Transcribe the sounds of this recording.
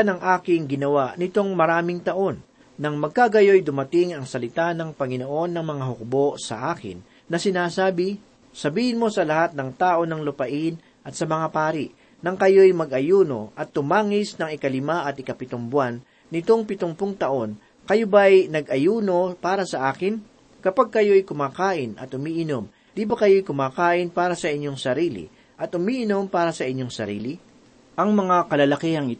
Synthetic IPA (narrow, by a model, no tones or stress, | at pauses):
nɐŋʔaːkɪŋɡɪnɐwaʔnɪt̪o̞ŋmɐɾaːmɪŋt̪ɐʔo̞nː | ɐŋmɐɡ̚kaɡɐjo̞jd̪ʊmɐt̪ɪŋɐŋsɐlɪt̪anɐŋpɐŋɪno̞ʔo̞nːɐŋmɐŋaɦʊk̚bo̞ʔsɐ̰ʔaːkɪ̰nː | ɐsɪnaːsaːbɪ | sɐbiːhɪnmo̞sɐlɐhat̪̚nɐŋt̪aːʔo̞nɐŋlʊpɐʔɪn | ʔɐt̪sɐmɐŋapaːɾɪʔ | nɐŋkɐjo̞jmɐɡʔɐjuːno̞ʔɐt̪ːʊmaːŋɪsnɐŋɪkɐlɪmaʔɐt̪ɪkɐpɪt̪oŋbwanː | ɪt̪o̞ŋpɪt̪oŋpʊŋt̪ɐʔo̞n | kɐjo̞bɐɐjnɐɡʔɐjuːno̞paːɾɐsɐʔaːkɪn | kɐpaɡ̚kɐjo̞ɐjkʊmaːkaːʔɪnʔɐ̰t̪ʔʊmiːʔɪnom | d̪ibɐkɐjo̞jkʊmaːkaːʔɪnpaːɾɐsɐʔɪɲːo̞ŋsɐɾiːlɪ̰ | ʔɐt̪̚ʔʊmiːʔɪno̞mpaːɾɐsɐʔɪɲːo̞ŋsɐɾḭːlɪ | ʔɐŋmɐŋakɐlɐlɐkihɐŋɪ